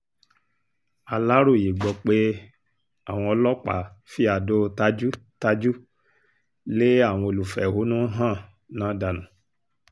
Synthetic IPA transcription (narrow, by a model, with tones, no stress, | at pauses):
a˨la˦ɾo˦˨je˨ɡ͡bɔ˧k͡pe˦ | a˦˨w̃ɔ̃˧ɔ˧lɔ˦k͡pa̰˨fi˦a˧˨do˦ta˦d͡ʒu˦ta˦d͡ʒu˦ | le˦a˦˨w̃ɔ̃˧o˧lu˨fɛ˨ho˨˦nũ˦ɦã˦˨ | nãː˨˦da˧nũ˨˦